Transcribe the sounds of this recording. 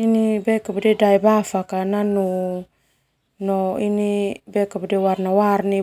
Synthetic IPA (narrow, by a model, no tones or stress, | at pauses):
inibekabudedajbafakananu | noinibɛkabudewarnawarni